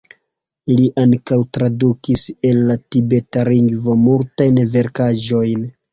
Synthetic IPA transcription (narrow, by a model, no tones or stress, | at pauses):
liʔaŋkawtɾadukise̞lːatibe̞taliŋɡvo̞multajnve̞ɾkaʒo̞jn